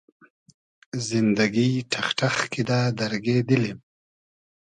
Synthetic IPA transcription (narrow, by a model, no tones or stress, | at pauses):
zɪnd̪aɡiʈʰaxʈaxkid̪ad̪aɾɡed̪əlim